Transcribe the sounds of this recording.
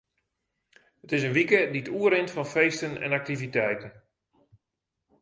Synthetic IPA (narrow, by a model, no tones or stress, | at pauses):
ətɪsənʋikədiətuəɾɪntfɔnfeːstənɛ̰nak̚tivitɛjtən